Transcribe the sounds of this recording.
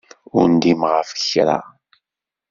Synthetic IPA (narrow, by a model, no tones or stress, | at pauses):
ʊɾnd̪imʁəfə̥çɾa̰